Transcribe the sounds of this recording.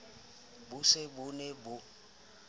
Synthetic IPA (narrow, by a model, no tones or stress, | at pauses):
bʊsebʊnebʊ